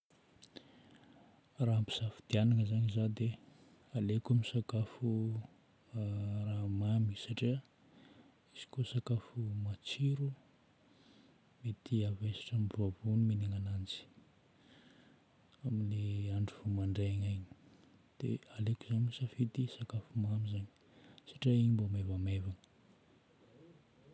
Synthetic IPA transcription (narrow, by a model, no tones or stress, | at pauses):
raɦampi̥safid̪ianaŋəzaɲizad̪e | alekamisakafu | ramamisaʈ͡ʂiə | iz̥i̥kosakafumat͡siɾu | met̪ʰiavesḁʈ͡ʂambruavunimeneŋanand͡zi̥ | amileaɳɖ͡ʐuv̥umaɳɖ͡ʐeɲajɲi̥ | d̪̥ḛalekuzaɲisafit̪isakafumamizaɲi̥ | saʈ͡ʂiaiɲimbomevamevaŋə̥